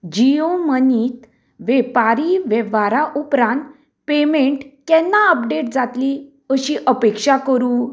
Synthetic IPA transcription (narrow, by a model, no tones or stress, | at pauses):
d͡ʑioməniːt̪ | ʋɛpaɾiʋɛʋaɾaʔupɾãnt̪ | pemeɳʈkɛ̃nːaəp̚ɖeʈ̚d͡zat̪li | əɕiʔəpekʂakəɾũː